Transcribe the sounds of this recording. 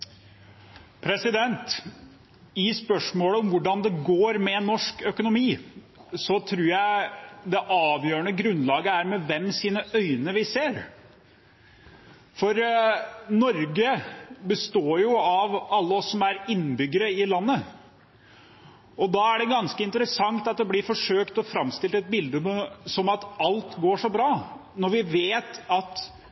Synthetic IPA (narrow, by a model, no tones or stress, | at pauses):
pʰɾɛsɪd̪ɛnt̪ | ɪspœʂmoːləɔmʋʊɖɑnd̪ɛɡoːɾmɛnɔʂkœkʊnʊmiː | sɔt̪ʰɾʉːɾjæɪd̪ɛʔɑːʋjøːɾəɳəɡɾʉnlɑːɡəæɾmɛʋɛmsiːnəʔœʏnəʋɪseːɾ | fɔɾ | nɔɾɡəbəst̪oːɾjʊɑʋɑlːəɔsːɔmæɾɪnːbʏɡːəɾəɪlɑnːə | ɔd̪ɑæɖɛɡɑnskəɪnt̪əɾəsɑŋt̪ɑt̪̚d̪ɛblɪɾfɔʂøːkt̪ɔfɾɑmst̪ɪlt̪ɛt̪̚bɪld̪əməsɔmɑt̪ɑlt̪ɡoːʂɔbɾɑːnɔɾʋɪʋeːt̪ɑt̪